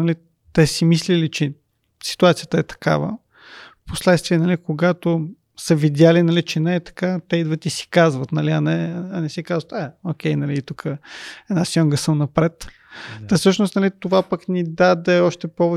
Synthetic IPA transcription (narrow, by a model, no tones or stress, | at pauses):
nɐli | t̪ɛsimislilit͡ʃɛ | si̥t̪uat̪sijət̪əɛt̪ɐ̥ka̰və̰ | poslɛt̪st̪viɛnɐlikoɡat̪o | səvid̪ʲjalinɐlit͡ʃɛnɛːt̪ɐ̥kat̪ɛid̪vət̪isi̥kazvət̪nɐliɐnɛɐnɛsikazvət̪ɛokʲɛjnɐliːt̪ukəɛd̪nasɔŋɡəsəmnɐpɾɛt̪ | ɐfsɤʃnost̪nɐlit̪ovapəknʲid̪ad̪ɛɔʃt̪ɛpɔvɛ